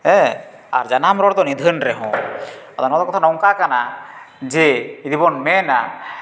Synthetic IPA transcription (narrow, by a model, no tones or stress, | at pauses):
ɛ | a̰ɾd͡ʒanamɾɔɽt̪ɔnid̪ʱənɾɛɦɔ̰̃ɔt̪ɔnɔt̪ɔkɔt̪ʰanɔŋkakana | d͡ʒɛid̪ibɔnmɛna̰